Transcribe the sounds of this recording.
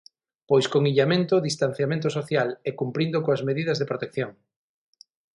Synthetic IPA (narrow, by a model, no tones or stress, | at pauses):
pojskoŋiʎamẽnt̪oðist̪an̟θjamẽnt̪osoθjalɛkumpɾind̪okoazmeðiðɐzðepɾot̪ekθjoŋ